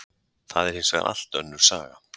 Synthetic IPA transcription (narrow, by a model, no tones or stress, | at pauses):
θaðɛɾ̥hɪnsvɛɣa̰ʔa̰l̥t̪œ̰nːʏɾ̥saːɣa